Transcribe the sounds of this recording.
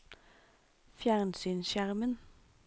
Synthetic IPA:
fjæʁnsyːnʃjæʁmən

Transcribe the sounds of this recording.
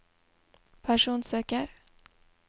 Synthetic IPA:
pʰæʂuːnsøːkaɾ

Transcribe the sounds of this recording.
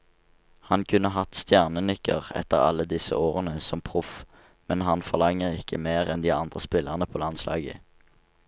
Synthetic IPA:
hɑnkʰʉnəɦɑt̪st̪jæʁnənʏkəʁɛ̰t̪ːəʁɑ̰lːəd̪ɪsə̰oːʁənəsɔmpʰʁʊf | mɛnɦɑnfɔʁlɑŋəʁɪkʰəmeːʁɛnd̪iːɑnd̪ʁəspɪləʁnəpʰoːlɑnslʔɑ̰ːɡə̰

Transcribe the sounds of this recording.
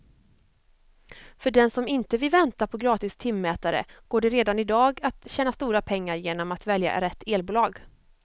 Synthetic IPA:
fœɖɛnsɔmɪnt̪əvɪlvɛnt̪apʰɔɡɾɑːt̪ɪst̪ʰɪmːɛːt̪aɾə̰ɡ̥oːɖɛɾeːd̪anɪd̪ɑːɡat̪ɕɛːnast̪uːɾapʰɛŋːaɾjeːnɔmat̪vɛlja̰ɾɛt̪ːeːlbuːlɑːɡ

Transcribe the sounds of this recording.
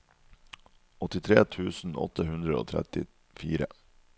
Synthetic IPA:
ɔt̪ɪt̪ʰɾeːt̪ʰʉːsn̩ɔ̰t̪əhʉnd̪ɾəo̰ːt̪ʰɾɛ̰t̪ɪ | fiːɾə

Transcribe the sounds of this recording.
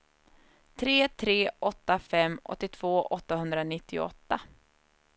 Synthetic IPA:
t̪ʰɾeːt̪ʰɾeːʔɔt̪ːafɛmːʔɔ̰t̪ːɪt̪ʰv̥oːʔɔt̪ːahɵnd̪ɾanɪt̪ːɪɔ̰t̪ːa

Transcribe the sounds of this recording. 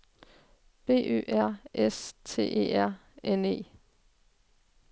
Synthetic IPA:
b̥e̝̰ːø̰ːʔæɐ̰ʔest͡sʰe̝̰ːʔḛːæɐ̰ene̝̰ː

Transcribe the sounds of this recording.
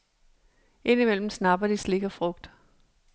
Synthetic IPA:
e̝nimel̰m̩snɑ̈b̥ɐd̥isle̝ɡ̥ɐfʁɔ̽ɡ̥̚d̥

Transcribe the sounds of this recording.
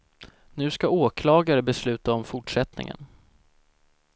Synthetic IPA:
nʉ̟ːskaoːkʰlɑːɡaɾəbɛslʉ̟ːt̪aɔmfʊʈʂɛt̪nɪ̰ŋə̰n

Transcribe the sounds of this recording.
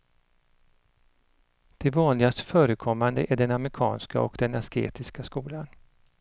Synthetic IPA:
d̪̥ɛvɑːnlɪɡast̪fœːɾəkʰɔmːand̪əʔæɖɛnamɾɪkʰɑ̰ːnska̰ɔ̰kd̪ɛnaskḛːt̪ɪskaskuːlan

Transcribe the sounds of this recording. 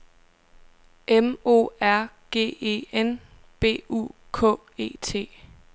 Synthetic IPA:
ʔemo̝̰ːæɐ̰ɡ̥e̝̰ːe̝̰ːen | b̥e̝̰ːṵː | kʰɔ̰̽ː | e̝̰ːt͡sʰe̝̰ː

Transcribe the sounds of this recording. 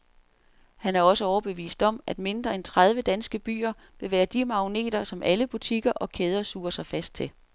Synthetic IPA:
hænæɐɒ̽səɒʊɐb̥e̝ʋḭːsd̥ɒ̽mʔæd̥me̝nd̥ʁɐent͡sʰʁað̞ˠʋəd̥ænsɡ̥əb̥y̰ːɐ | ʋe̝ʋæːɐd̥imɑ̈one̝̰ːd̥ɐsɒ̽mʔæləb̥ut͡sʰiɡ̥ɐʔɒ̽kʰeːð̞ˠɐsṵːɐsɑ̈ɪfæsd̥̚t͡sʰe̝

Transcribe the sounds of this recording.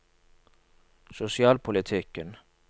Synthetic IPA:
sʊsɪɑːlpʰʊlɪt̪ʰɪkən

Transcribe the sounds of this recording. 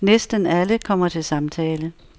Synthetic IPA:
nesd̥ənæləkʰɒ̽m̰ɐt͡sʰe̝lsɑ̈mt͡sʰɛːlə

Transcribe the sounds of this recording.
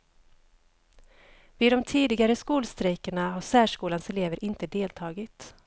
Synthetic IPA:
vɪːɔmt̪ʰiːd̪ɪɡaɾəskuːlst̪ɾɛjkəɳaɦaʂæːʂkuːlansɛleːvəɾʔɪnt̪əd̪eːlt̪ʰɑːɡɪt̪

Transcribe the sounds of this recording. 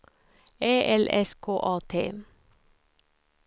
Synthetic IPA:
eːʔɛlʔɛ̰skʰoːʔɑːt̪ʰḛː

